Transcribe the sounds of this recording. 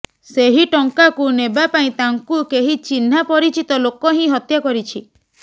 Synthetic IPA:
seɦiʈɔŋkakunebapaĩt̪aŋkukeɦit͡ʃin̤ːapɔɾit͡ʃit̪ɔlokɔɦĩɦɔt̪jakɔɾit͡ʃʰi

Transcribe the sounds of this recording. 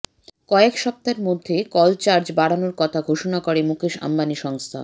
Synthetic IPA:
kɔekʃɔp̚t̪aɾmod̪ʱːekɔlt͡ɕaɾd͡ʑbaɽanoɾkɔt̪ʰaɡʱoʃonakoɾemukʰeʃa̰mbaniʃɔŋst̪ʰa̰

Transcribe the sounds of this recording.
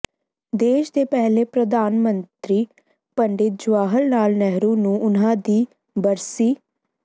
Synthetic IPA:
d̪eːʃd̪eːpɛɦleːpɾəd̪aːnmənt̪ɾiː | pəɳɖɪt̪̚d͡ʒʊaːɦəlnaːlnɛɦɾũːnũːʔʊnɦãːd̪iː | bəɾsiː

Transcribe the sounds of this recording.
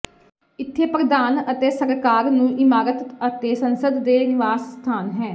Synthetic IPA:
ɪt̪ʰːeːpɾəd̪aːnət̪eːsəɾkaːɾnũːʔɪmaːɾət̪ət̪eːsənsəd̪ːeːnɪʋaːsst̪ʰaːnɦɛ̃ː

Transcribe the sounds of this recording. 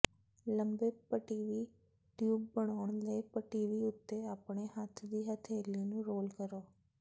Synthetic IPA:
ləmbepəʈiːʋi | ʈjuːbːəɽ̃aːɳ̃ləipəʈiːʋiʊt̪ːeaːpɳeɦat̪ʰd̪iːɦət̪ʰeːlinũɾoːlkəɾoː

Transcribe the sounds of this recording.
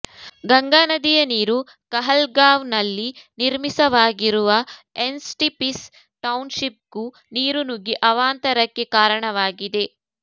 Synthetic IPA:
ɡɐŋɡaːnɐd̪ijɐniːɾu | kɐɦɐlɡaːʋnɐlːiniɾmisɐʋaːɡiɾuʋɐensʈipis | ʈɐwnʃip̚ɡu | niːɾunuɡiʔɐʋaːnt̪ɐɾɐkːe̞kaːɾɐɳɐʋaːɡid̪e̞

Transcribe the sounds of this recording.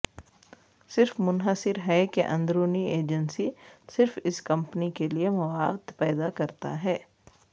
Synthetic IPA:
sɪɾfmʊnɦəsɪɾɦɛkeʔɐ̃nd̪ɾoːnieːd͡ʒənsisɪɾfɪskɐ̃mpnikeliemɐʋaːwt̪pɛːd̪akɐɾt̪a̰ɦɛː

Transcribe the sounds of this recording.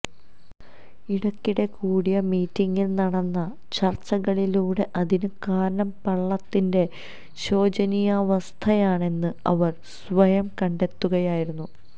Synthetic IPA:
iɽɐkːiɽe̞kuːɽijɐmiːtːiŋːilnɐɽɐnːɐ | t͡ɕɐrt͡ɕːɐɣɐɭiluːɽe̞ʔɐðinɨkaːɾɐnɐmpɐɭːɐt̪ːinde̞ | ɕo̞ːd͡ʑɐnijaʋɐst̪ʰɐjaːɳe̞nːɨɐʋɐr | sʋɐjɐmkɐɳɖe̞t̪ːuɣɐjaːjiɾunːu

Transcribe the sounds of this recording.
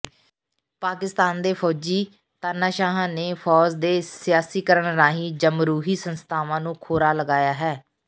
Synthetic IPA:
paːkɪst̪aːnd̪eːpʰɔːd͡ʒiː | t̪aːnaːʃaːɦãːneːpʰɔːd͡ʒd̪eːsɪjaːsiːkəɾəɳɾaːɦiːd͡ʒəmɾuːɦiːsənst̪ʰaːʋãːnũːkʰoːɾaːləɡaːjaːɦɛː

